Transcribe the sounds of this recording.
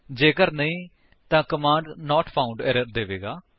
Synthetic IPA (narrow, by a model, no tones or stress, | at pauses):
d͡ʒeːkəɾnəĩː | t̪ãːkəmãːɳɖnɔːʈpʰaːʊɳɖɛːɾəɾd̪eːʋeːɡaː